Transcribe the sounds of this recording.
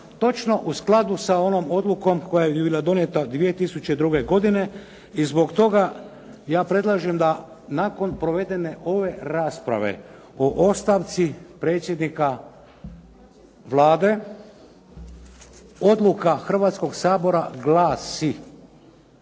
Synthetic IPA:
t̪o̞t͡ʃno̞ʔusklˠad̪usao̞noːmo̞d̪luko̞mko̞jajebibilˠad̪o̞njet̪ad̪ʋije̞t̪isut͡ʃe̞d̪ɾuɡe̞ɡo̞d̪ine̞ | izbo̞kt̪o̞ɡa | jaːpɾe̞d̪lˠaʒemd̪a | nako̞npɾo̞ʋe̞d̪e̞ne̞ʔo̞ʋe̞ɾaːspɾa̰ʋe̞̰ | oʔo̞st̪aʋt̪sipɾe̞ːt̪sʲjed̪nika | ʋlˠaːd̪e̞ | o̞d̪lˠukaxr̩ʋaːt̪sko̞ɡsaːbo̞ɾaɡlaːsi

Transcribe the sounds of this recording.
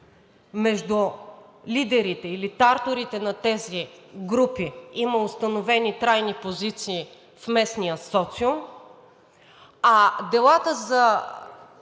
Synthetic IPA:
mɛʒd̪u | lid̪ɛɾit̪ɛilit̪aɾt̪oɾit̪ɛnɐt̪ɛziɡɾupiiməost̪ɐnovɛnit̪ɾajnipozit̪siː | fmɛsnijəsɔt̪sio | ad̪ɛlˠat̪əzɐ

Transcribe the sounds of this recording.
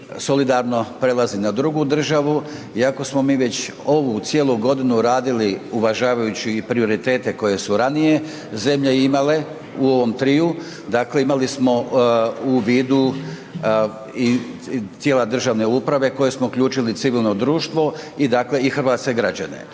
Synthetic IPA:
so̞lid̪aɾno̞pɾe̞lˠazinad̪ɾuɡud̪r̩ʒaʋu | iako̞smo̞miːʋe̞t͡ɕ | o̞ʋut̪sje̞ːlˠuɡo̞d̪inuɾaːd̪iliuʋaʒaːʋajut͡ɕiːpɾio̞ɾit̪e̞ːt̪e̞ko̞je̞suɾanije̞ | ze̞mʎeimale̞ | uo̞ʋo̞mt̪ɾiːu | d̪akle̞imalismo̞ | uʋiːd̪u | it̪jeːlad̪r̩ʒaʋne̞upɾaʋe̞ko̞je̞smoukʎuːt͡ʃilit̪siʋilˠno̞d̪ɾuːʃt̪ʋo̞id̪akleixr̩ʋaːt̪ske̞ɡɾad͡ʑa̰ne̞̰

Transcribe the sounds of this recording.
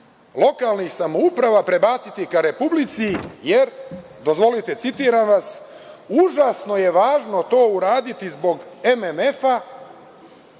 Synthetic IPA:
lˠo̞kalˠnixsamo̞upɾaʋapɾe̞baːt̪sit̪ikaɾe̞publit̪sijeɾ | d̪o̞zʋo̞lit̪e̞t̪sit̪iːɾanʋas | uʒaːsno̞je̞ʋaːʒno̞t̪o̞ːuɾaːd̪it̪izbo̞ɡememe̞fa

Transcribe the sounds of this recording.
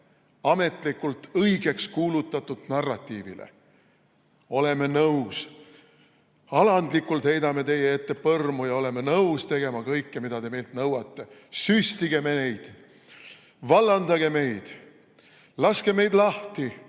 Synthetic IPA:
ɑme̞t̪ˑlikːˑult̪ɤjɡ̥e̞kskuːlut̪ːˑɑt̪ːud̪̥nɑrːɑt̪ːˑiːvḭlḛ | o̞le̞me̞nɤws | ɑlɑnd̪likːˑult̪he̞jd̪ɑme̞t̪e̞jeet̪ːe̞pɤrmujɑo̞le̞me̞nɤwst̪e̞ɡe̞mɑkɤjkːemid̪ɑd̪e̞me̞jlt̪nɤwɑt̪ˑːe̞sysʲt̪iɡe̞me̞ne̞jd̪̥ | vɑlːɑnd̪ɑɡe̞me̞jd̪̥ | lɑske̞me̞jd̪lɑht̪i

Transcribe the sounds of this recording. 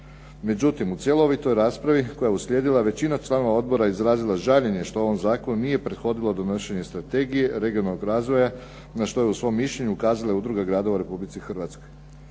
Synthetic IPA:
me̞d͡ʑut̪imut̪sije̞looʋojt̪o̞jɾaːspɾaʋiko̞jaeuslʲjeːd̪ilˠaʋe̞t͡ɕinat͡ʃlˠaːno̞ʋao̞d̪̚bo̞ɾaizɾaːzilˠaʒaʎeɲe̞ʃt̪oo̞ʋomzaːko̞nunije̞pɾe̞d̪xo̞d̪ilˠo̞d̪o̞noʃeɲest̪ɾat̪e̞ɡije̞ɾe̞ɡijonalːoɡɾaːzʋo̞ja | naʃt̪o̞jeusʋo̞mːiʃʎe̞ɲuukaːzalaeud̪ɾuɡaɡɾaːd̪o̞ʋauɾe̞publit̪sixr̩ʋat̪sko̞j

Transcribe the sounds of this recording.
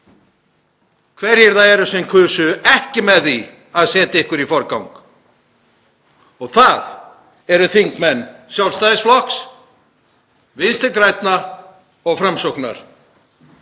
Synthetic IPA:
kʰvɛɾɛɾ̥θaðɛɾʏsɛmkʰʏːsʏɛhcɪmɛði | aðsɛːt̪aɪhkʏɾifɔɾkawŋk | ɔɣθað | ɛɾʏθiŋkmɛnːsjawlst̪aðɪsflɔks | vɪnst̪ɪɾkɾajt̪na | ɔɣfɾamsowkna̰ɾ̥

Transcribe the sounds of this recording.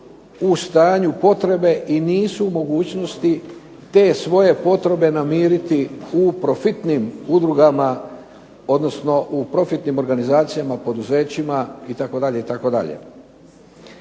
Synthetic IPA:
ust̪aːɲupo̞t̪ɾe̞be̞ʔiniːsuːmo̞ɡuːt͡ɕno̞st̪i | t̪e̞ːsʋo̞je̞po̞t̪ɾe̞be̞namiːɾit̪iupɾo̞fit̪nimud̪ɾuɡama | o̞d̪no̞sno̞ʔupɾo̞fit̪nimo̞ɾɡanizaːt̪sijamapo̞d̪uze̞ːt͡ɕimait̪ako̞d̪aʎe̞it̪ako̞d̪a̰ʎḛ

